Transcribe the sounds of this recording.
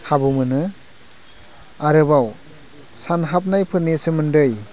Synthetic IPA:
kʰabɯmɯnɯ | aɾɯbaw | sanɦap̚najpʰɯɾnesɯmɯndɯj

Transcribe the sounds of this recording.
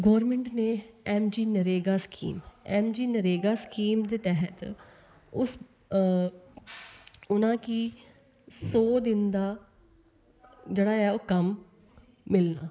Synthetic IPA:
ɡoːɾmɛ̃ɳʈneːɛːmd͡ʒiːnəɾeːɡaːskḭːmɛːmd͡ʒiːnəɾeːɡaːskiːmd̪eːt̪ɛːɦət̪ | ʊs | ʊnãːkiː | soːd̪ɪnd̪aː | d͡ʒeːɽaːɛːoːkəmː | ɪlnaː

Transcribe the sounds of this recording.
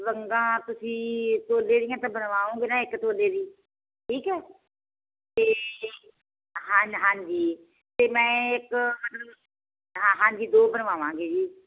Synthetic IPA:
ʋəŋɡãːt̪ʊsĩːt̪oːleːɾɪjãːt̪ãːbənʋaːõːɡeːnãːɪkt̪oːleːɾiː | ʈʰiːkɦɛː | t̪eː | ɦãːɲɦãːɲd͡ʒiː | t̪eːmɛ̃ːɪkmət̪ləb | ɦãːɦãːd͡ʒiːd̪oːbənʋaːʋãːɡeːd͡ʒiː

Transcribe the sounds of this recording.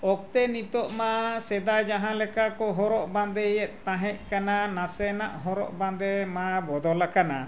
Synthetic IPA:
ɔk̚t̪ɛnit̪ɔʔmasɛd̪ajd͡ʒaɦãlɛkakɔɦɔɾɔʔbãnd̪ɛjɛt̪̚ˀt̪ãɦɛʔkananasɛna̰ʔɦɔɾɔ̰ʔbãnd̪ɛmabɔd̪ɔlakana

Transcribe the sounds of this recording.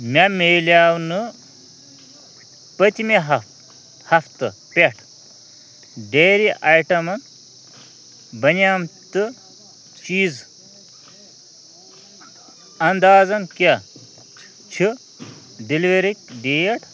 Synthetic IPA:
mʲameːlʲaːwnɨ | pɐt̪ʲimeɦɐ | hɐft̪ɨ | pʲeʈʰ | ɖeːɾiʔajʈɐmɐn | bɐnaːmt̪ɨ | t͡ʃiːd͡z | ɐnd̪aːd͡zɐnka | t͡ʃʰi | ɖiliʋeɾik̚ʲɖeːjeʈʰ

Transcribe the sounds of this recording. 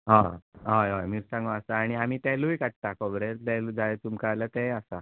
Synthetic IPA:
ɦãɦajajmiɾsãŋɡoasaːɽ̃iamiːt̪ɛlujkaʈ̚t̪akɔbɾet̪ɛlud͡zajt͡sumkalət̪ɛ̃asa

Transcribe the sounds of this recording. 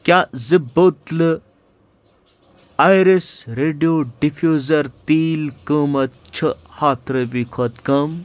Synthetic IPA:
kʲazɨboːt̪lɨ | ajɾesɾeːɖijoɖifjoːzɐɾt̪iːlkəːmɐt̪t͡ʃʰəhaːt̪ɾəbiːkʰot̪kɐm

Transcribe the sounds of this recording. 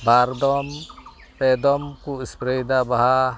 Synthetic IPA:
baɾd̪ɔm | pɛd̪ɔmkuispɾɛjd̪abaɦa

